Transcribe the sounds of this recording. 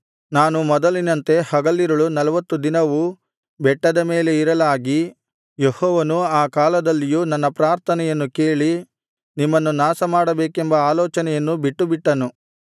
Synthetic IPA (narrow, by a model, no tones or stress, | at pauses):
naːnumɔd̪ɐlinɐnt̪e̞hɐɡɐlːiɾɐɭunɐlɐʋɐt̪ːud̪inɐʋu | bɛʈːɐd̪ɐmeːle̞iɾɐlaːɡi | jehɔːʋɐnuaːkaːlɐd̪ɐlːijunɐnːɐpɾaːɾt̪ʰɐnɛjɐnːuke̞ːɭi | nimːɐnːunaːsɐmaːɽɐbeːkembɐaːlɔːt͡ʃɐnɛjɐnːubiʈːubiʈːɐnu